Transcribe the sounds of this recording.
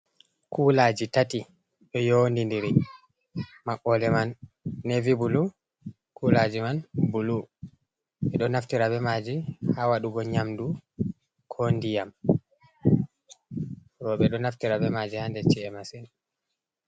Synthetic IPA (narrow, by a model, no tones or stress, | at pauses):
kʰulad͡ʒitati | ɗɔjondindiɾi | maʔɔlɛmanː | evibulu | kʰulad͡ʒimanbulu | ɓɛɗɔnaftiɾabɛmad͡ʒihawaɗuɡɔɲamdu | kʰondijam | ɾɔɓɛɗɔnaftiɾabɛmad͡ʒihandɛt͡ʃɛɛmasɛn